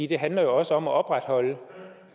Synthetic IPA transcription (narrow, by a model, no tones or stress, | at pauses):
ḭːd̥e̝ɦænlɐjo̝ɒ̽səɒ̽mæʔɒ̽b̥ʁad̥hɒ̽lə